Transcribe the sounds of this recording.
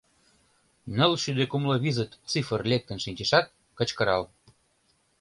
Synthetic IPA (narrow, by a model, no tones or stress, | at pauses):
nəlʃyd̪ekumlɤβizət̪t͡sifərlʲek̚t̪ə̆nʃinʲt͡ɕeʃɑt̪̚ | kə̆t͡ɕkə̆ɾɑl